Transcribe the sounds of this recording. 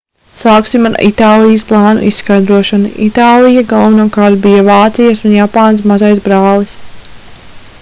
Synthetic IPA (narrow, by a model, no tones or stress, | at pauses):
saːksimaɾḭt̪aːlˠijəsplˠɑːnṵʔisːkajd̪ɾuɔʃɔnḭʔit̪aːlˠijaɡalˠvanuɔkaɾt̪bijavaːt̪sijasunjapaːns̬mazajs̬bɾaːlˠis